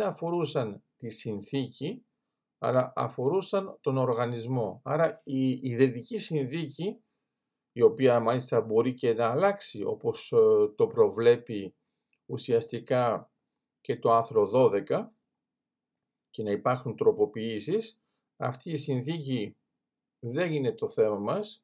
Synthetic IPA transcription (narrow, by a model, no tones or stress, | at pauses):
ɐfo̞ɾusɐnt̪isinθici | ɐ̰lɐʔɐ̰fo̞ɾusɐnt̪o̞no̞ɾɣɐnizmo̞ɐɾɐiːðe̞ðicisinθiciː | o̞piɐmɐlist̪ɐbo̞ɾice̞nɐːlɐksio̞̰po̞st̪o̞pɾo̞vle̞pi | usiɐst̪ikɐ | ce̞t̪o̞ɐnθɾo̞ðo̞ðe̞kɐ | ce̞nɐipɐɾxunt̪ɾo̞po̞piisis | ɐ̰ft̪iːsinθici | ðenine̞t̪o̞θe̞mɐmɐs